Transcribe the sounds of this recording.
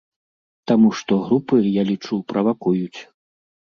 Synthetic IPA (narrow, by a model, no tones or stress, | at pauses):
t̪amuʂt̪ɔɣɾupɨjalʲit͡ʂupɾɐvakujut͡sʲ